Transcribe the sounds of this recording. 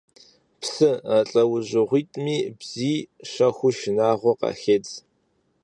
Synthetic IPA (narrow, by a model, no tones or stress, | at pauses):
psɨaɬʼɐwʊʑʷɪʁʷiːtʼmiːbz̥iːʃɐxʷʊʃɪnaːʁʷɔqɑ̰ːxeːt͡s